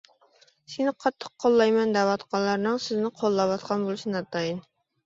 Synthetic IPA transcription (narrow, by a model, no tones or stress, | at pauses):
senɪqʰɑt̪ʰːə̥q̚ːʰolˠːɑjmɛnd̪æwɑt̪qʰɑnlˠɑɾnɨŋsɪznɪqʰolˠːɑwɑt̪qʰɑnbolˠɨʃnɑt̪ɑjin